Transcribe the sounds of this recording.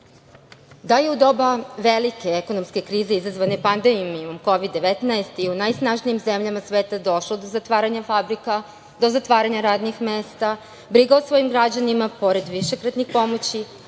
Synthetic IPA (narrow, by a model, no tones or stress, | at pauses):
d̪aje̞ud̪o̞baʋelike̞eko̞no̞mske̞kɾiːze̞izazʋane̞pand̪emiomko̞ʋid̪ːeʋet̪naest̪iunajsnaʒniimzemʎamasʋe̞ːt̪ad̪o̞ʃlˠod̪ozat̪ʋaːɾaɲafabɾika | d̪o̞zat̪ʋaːɾaɲaɾaːd̪nixmeːst̪a | bɾiɡaosʋo̞imɡɾad͡ʑanimapo̞ɾe̞d̪ʋiʃe̞kɾat̪nixpo̞mo̞t͡ɕi